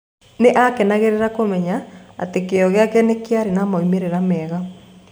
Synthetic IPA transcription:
neʔakɛnaɣeɾeɾakomɛɲa̰ːtekeɔɣeakɛnekjaɾenamaimeɾeɾamɛːɣa

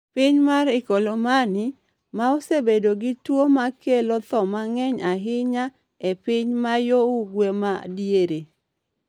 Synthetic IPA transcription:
pɪɲmaɾɪkolomanɪ | maosebedoɡɪtwomakelot̪ɔmaŋɛɲaɦɪɲa | epɪɲmajouɡwemadjeɾe

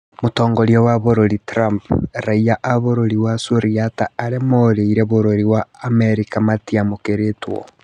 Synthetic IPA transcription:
motoːŋɡoɾjowaβoɾoɾitɾampɾaijaʔaβoɾoɾiwasoɾiataːɾemoɾeiɾeβoɾoɾiwaːmeɾikamatiamokeɾetwo̰

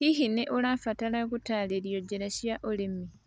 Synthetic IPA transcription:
hihineʔolafatalakutaːleljoɟeɾaɕjaʔolemi

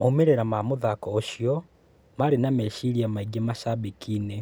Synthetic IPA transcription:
omeɾeɾamamuðakoʃjo | malinameʃiɾiamaiɡemaʃaβikʰine

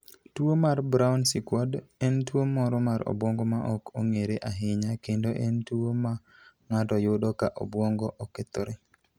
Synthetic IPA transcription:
twomarbɾaʊnsɪkwɔdentwomɔɾɔmaɾɔ̰bwɔŋɡɔmaʔɔkʰoŋeɾeʔaɦɪɲakendoʔentwoma | ŋatɔjʊdokaʔo̰bwɔŋɡɔʔɔket̪oɾe

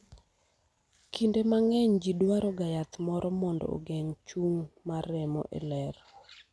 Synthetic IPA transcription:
kʰindemaŋɛɲd͡ʒidwaɾɔɡajat̪mɔɾɔmɔndɔ̰o̰ɡɛŋt͡ʃuŋmarɛmɔ̰ʔḛlɛr

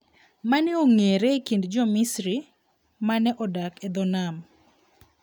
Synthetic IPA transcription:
manɛoŋeɾekindd͡ʒɔmisɾi | manɛʔɔdakɛd̪ɔnam

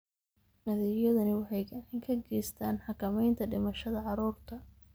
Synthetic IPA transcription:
nɐðɪjɐðɐnɪwɑħɑjɡɐʕɪŋkʰɐɡɛːjst̪ʰaːnħɑkʰɐmɛjnt̪ʰɐɖɪmɐʃɐðɐʕɑɾuːrt̪ʰɐ

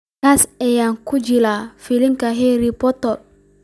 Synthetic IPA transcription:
asɛjaːŋkud͡ʒilaːfiliŋkɐɦɛɾipɔt̪ɔr

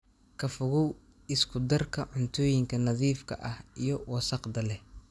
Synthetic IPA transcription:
kʰɐfʊɣɔw | ɪskʰʊd̪ɐrkʰɐʕʊnt̪ʰɔːjɪŋkʰɐnɐðiːfkʰɐ̰ʔɐhijɞwɑsɑqd̪ɐlɛh

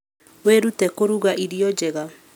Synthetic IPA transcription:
weɾutɛkoɾuɣaʔiɾjɔd͡ʒɛɣa

